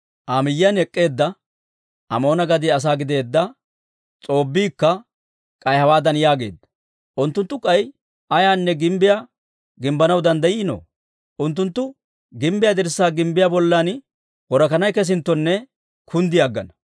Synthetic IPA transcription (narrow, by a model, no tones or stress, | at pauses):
ʔaːmɪjːɐnɛkʼːe̞ːd̪ːɐ | ʔɐmo̞ːnɐɡɐd̪ɪɐs̬aːɡɪd̪e̞ːd̪ːɐ | t͡sʼo̞ːbːiːkːɐ | kʼɐjhɐwaːd̪ɐnjaːɡe̞̰ːd̪ɐ | ʔʊnt̪ːʊnt̪ːʊkʼɐj | ʔɐjaːnːɛɡɪmbɪja | ɡɪmbɐnɐwd̪ɐnd̪ɐjɪːno̰ː | ʔʊnt̪̬ːʊnt̪ːʊ | ɡɪmbɪjad̪ɪɾsːaːɡɪmbɪjabɔlːan | wɔɾɐkɐnɐjkɛs̬ɪnt̪ːɔnːɛ | kʰʊnd̪ɪjaɡːɐ̰nɐ